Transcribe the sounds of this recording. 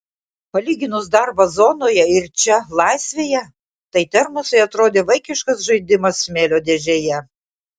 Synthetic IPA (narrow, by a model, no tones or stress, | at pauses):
pɐlʲiːɡʲɪnʊsd̪ɐɾbɐzoːnoːjɛɪɾt͡ʃʲɛlˠɐɪsʲʋʲeːjɛ | t̪ɐɪt̪ʲɛɾmʊsɐɪɐt̪ɾoːd̪ʲeːʋɐɪkʲɪʃkɐsʒɐɪd̪ʲɪmɐsmʲeːlʲoːd̪ʲeʒʲejɛ